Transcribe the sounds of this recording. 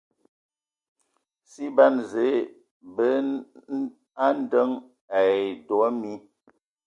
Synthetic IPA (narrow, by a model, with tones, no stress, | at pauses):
si˦ba˦nze˨˦ | bə˦ | a˦n˦də˦ŋ | a˨jdɔ˨a˦mi˦